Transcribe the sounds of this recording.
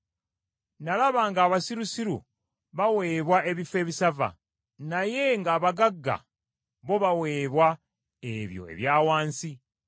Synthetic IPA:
nalaβaːŋɡaːβasiɾusiɾṵ | βawe̞ːβwaʔe̞βife̞ːβisava̰ | naje̞ŋɡaːβaɡaɡːa̰ | βo̞βawe̞ːβwa | eβjo̞̰e̞̰βjaːwaːnsi

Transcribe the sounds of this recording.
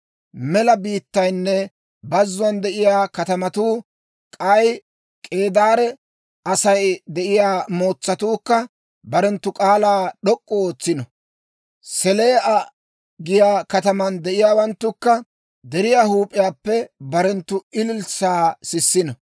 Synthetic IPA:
mɛlɐbiːt̪ːɐjnːɛ | bɐzːʊɐnd̪ɛʔɪjaːkɐt̪ɐmɐt̪uː | kʼɐj | kʼe̞ːd̪aːɾɛ | ɐsɐjd̪ɛʔɪjaːmo̞ːt͡sːɐt̪uːkːɐ | bɐɾɛnt̪ːʊkʼaːlaːɗɔkʼːɔoːt͡sːɪnɔ | sɛle̞ːʔɐ | ɡɪjaːkɐt̪ɐmɐnd̪ɛʔɪjaːwɐnt̪ːʊkːɐ | d̪ɛɾɪjaːhuːpʼːɪjaːpːɛbɐɾɛnt̪ːʊɪlɪlsaːsɪsːɪnɔ

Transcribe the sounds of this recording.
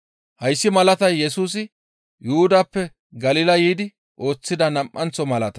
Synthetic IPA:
hɐjsːɪmɐlɐt̪ɐjːɛsuːs̬ɪ | jʊʊd̪aːpːɛ | ɡɐlɪlɐjiːd̪ɪ | ʔo̞ːt͡sːɪd̪ɐnɐmʔːɐnt͡sɔmɐlɐt̪ɐ

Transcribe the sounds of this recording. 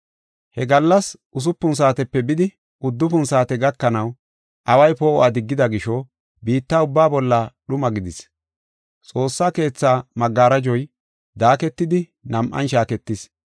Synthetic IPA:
hɛɡɐlːɐsʔʊs̬ʊpːʊns̬aːt̪ɛpːɛbɪd̪ɪ | ʊd̪ːʊpʊnsaːt̪ɛɡɐkːɐnɐw | ʔɐwɐjpoːʔɔʔaːd̪ɪɡːɪd̪ɐɡɪʃɔ | biːt̪ːaːʊbːaːbɔlːɐɗʊmɐɡɪd̪ɪs | t͡sʼo̞ːsːaːke̞ːt͡sːaːmɐɡːaːɾɐd͡ʒɔj | d̪aːkɛt̪ːɪd̪ɪ | nɐmʔɐ̰nʃaːkɛt̪ːɪs

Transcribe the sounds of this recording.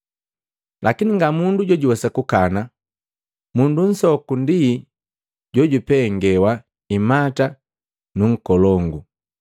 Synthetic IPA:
lʔakiniŋɡamunduɟɔɟuwɛsakukana | mundun̩sɔkundi | ɟɔɟupɛŋɡɛwa | imata | nuŋ̩kɔlɔŋɡu

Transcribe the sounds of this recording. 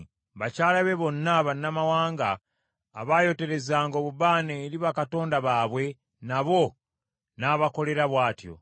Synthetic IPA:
βacaːlaβe̞βo̞nːaβanːamawaːŋɡa̰ː | βajo̞te̞ɾe̞zaːŋɡo̞ːβuβaːneːɾiβakato̞ːndaβaːβwe̞ | naβo̞ | naβako̞le̞ɾaβwaːtjo̞̰

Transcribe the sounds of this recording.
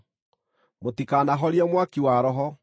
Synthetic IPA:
motikaːnaɦɔɾiɛmwakiwaːɾɔɦɔ

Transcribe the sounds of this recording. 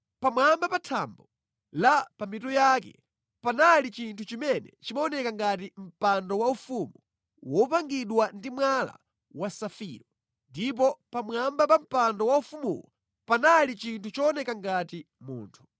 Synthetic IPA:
pamwambapatʰambɔ | lapamitɔjakɛ̰ | panalit͡ʃintʰut͡ʃimɛnɛ̰t͡ʃimaɔnɛkaŋɡat̬im̩pandɔwaufumu | wɔpaŋɡiɗwandimwala̰ | wasafḭːɾɔ | ndip̬ɔpamwambapam̩pandɔwaufumṵlɔ | panalit͡ʃintʰut͡ʃɔːnɛkaŋɡati | mṵːntʰu̥

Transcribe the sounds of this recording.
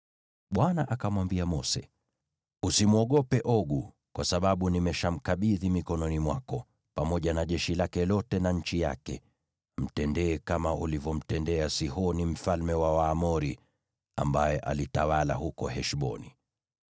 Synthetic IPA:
ɓwanaʔakamwambiamɔsɛ | usimuɔɠɔpɛʔɔɠu | kwasaɓaɓunimɛʃam̩kaɓiðimikɔnɔnimwakɔ | pamɔʄanaʄɛʃilakɛlɔtɛnaɲ̩t͡ʃija̰kɛ̰ | m̩tɛndɛːkamaʔulivɔm̩tɛndɛasihɔnim̩falmɛwawaːmɔɾi | a̰mbajɛʔa̰litawala̰hukɔhɛʃɓɔ̰ni

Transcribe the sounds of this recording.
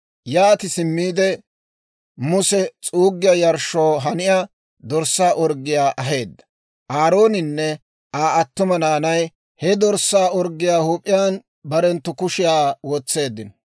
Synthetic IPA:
jaːt̪ɪsɪmːiːd̪ɛ | mʊsɛt͡sʼuːɡːɪjɐjɐɾʃːoːɦɐnɪja | d̪ɔɾsːaːʔɔɾɡːɪjaːʔɐɦe̞ːd̪ːɐ̥ | ʔaːɾo̞ːnɪnːɛ | aːɐt̪ːʊmɐnaːnɐj | hɛd̪ɔɾsːaːɔɾɡːɪjaːhuːpʼːɪjaːn | bɐɾɛnt̪ːʊkʊʃɪjaːwɔt͡sːe̞ːd̪ːɪn

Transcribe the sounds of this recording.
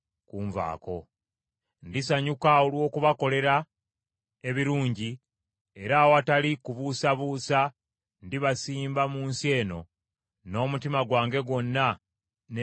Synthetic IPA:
kuːɱva̰ːko̞̰ | ndisaɲukaolwo̞ːkuβako̞le̞ɾa | e̞βiɾuːɲɟi | e̞ɾaːwatalikuβuːsaβuːsa | ndiβasiːmbamuːnsie̞ːno̞ | no̞ːmutimaɡwaːŋɡe̞ɡwo̞nːa | n

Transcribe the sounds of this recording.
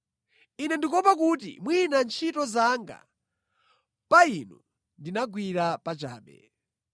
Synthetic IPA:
inɛndikɔpak̬ut̬ḭmwinant͡ʃʰitɔzaŋɡa̰ | painɔ | ndinaɡwiɾapat͡ʃa̰ːɓɛ̰

